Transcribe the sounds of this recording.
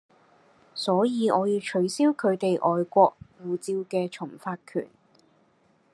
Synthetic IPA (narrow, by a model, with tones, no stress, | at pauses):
sɔː˨˥jiː˨˧ʔɔː˨˧jiː˧wt͡ʃʰɵ˨˧ɥsiː˥wkʰɵ˨˧ɥt̪e˨jʔɔː˨jkʷɔː˧k̚wuː˨t͡siː˧wkɛː˧t͡ʃʰʊ˨˩ŋfaː˧t̚kʰy̰ː˨˩n